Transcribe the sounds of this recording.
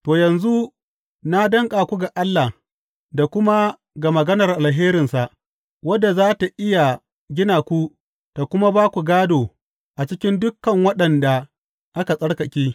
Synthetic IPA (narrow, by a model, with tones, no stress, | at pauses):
toː˨jɐ˨nzu˦ | na˦dɐ˦ŋkʼaː˨kʷu˦ɡa˨ʔa˦lːa˨h | da˨kʷʊ˦ma˦ | ɡa˨mɐ˨ɡɐ˦nɐ˨rʔa˨lɦeː˦ɾɪ˨nsa˨ʔ | wɐ˦dːa˨zaː˦ta˨ʔɪ˦ja˨ | ɡʲɪ˦naː˨kʷu˦ | ta˨kʷʊ˦ma˦baː˦kʷu˨ɡaː˦doː˨ | ʔa˨t͡ʃɪ˦kʲɪ˦ndʊ˦kːɐ˨ŋwɐ˦ɗɐ˨nda˨ | ʔa˦ka˨sʼɐ˦ɽkɐ˨kʲiː˦